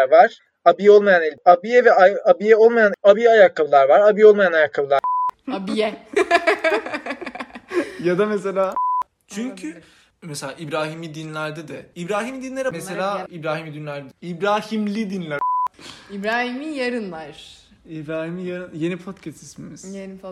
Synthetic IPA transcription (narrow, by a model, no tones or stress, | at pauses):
ɾvaɾ̥ | abijɛo̞lˠmajanɛabijɛvɛaabijɛo̞lˠmajanabijajakʰːabɯlˠaɾvaɾabijɛolˠmajanajakʰːabɯlˠaabijɛ | jad̪amese̞lʲaː | t͡ʃʰyɲcʰy | meselʲaːʔibɾaːɦimid̪inlʲæɾd̪ɛd̪ɛibɾaːɦimid̪inlʲeɾimese̞lʲaːibɾaːɦimid̪inlʲæɾd̪ed̪ibɾaːhimlʲid̪inlʲæ | ibɾaːɦimijaɾɯnlˠaɾ̥ | ibɾaːhimijaɾɯnje̞nipʰot̪cʰɛst̪ismimiz̥jen